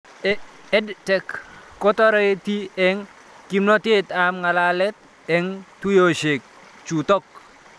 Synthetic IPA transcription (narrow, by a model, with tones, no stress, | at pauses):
ɛ˦dtɛ˨kːo˦t̪ɔ˦ɾɔ˦e˦t̪i˦ɛ˦ŋ | ki˦mno˦t̪ɪ˦t̪a˨mŋa˨la˦lɛ˦t̪̚ | ɛ˨ŋtu˦jo˨ʃe˨k̚ | t͡ʃu˨t̪ɔ˦k̚